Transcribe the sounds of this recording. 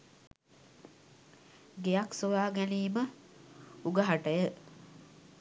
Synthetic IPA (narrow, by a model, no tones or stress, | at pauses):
ɡejaksoʋaːɡæniːmə | uɡəɦaʈəjə